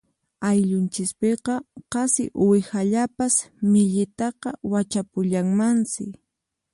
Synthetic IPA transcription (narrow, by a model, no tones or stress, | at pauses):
ajʎʊnt͡ʃɪspeqɑqɑsɪ̰ʔʊwɪxaʎapasmɪʎɪt̪ɑqɑwat͡ʃapʊʎaŋmansɪ̰